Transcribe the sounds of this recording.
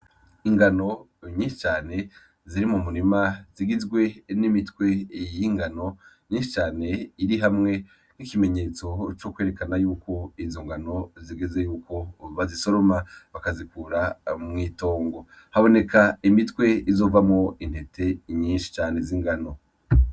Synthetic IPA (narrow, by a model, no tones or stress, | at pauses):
iŋɡano̞ | ɲĩːnʃi̥t͡ʃaːne̞ | ziɾimumuɾimaziɡizɡwe̞nimitwe̞jiŋɡano̞ | ɲiːnʃit͡ʃaːne̞iɾiɦamŋe̞ | n̥ikime̞ɲe̞ːt͡so̞t͡ʃo̞kwe̞ɾekanajuːko̞izo̞ŋɡano̞ziɡeze̞juːko̞βaziso̞ɾomaβakazikuːɾamŋiːto̞ːŋɡo̞ | haβo̞ne̞kaimitwe̞izo̞ːvamŋo̞in̥he̞tʰe̞ɲiːnʃi̥t͡ʃaːne̞ziŋɡano̞